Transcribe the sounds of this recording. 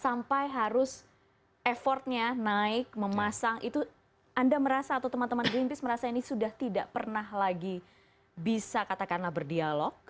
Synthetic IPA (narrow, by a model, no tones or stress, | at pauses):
sampajɦaɾʊs | ʔefɔrt̪̚ɲanaɪk̚məmasaŋʔḭt̪u | andaməɾasaːt̪awt̪əmant̪əmanɡɾimpɪsməɾasainisudaht̪idaʔpərnahlaɡi | bisakat̪akanlahbərdialɔk̚